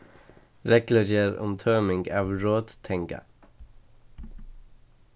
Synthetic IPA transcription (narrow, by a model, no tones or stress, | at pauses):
ɾɛkləɾeːɾʊ̰mt̪ʰøːmɪŋɡɑːʋɹoːd̪t̪ʰɛŋkə̰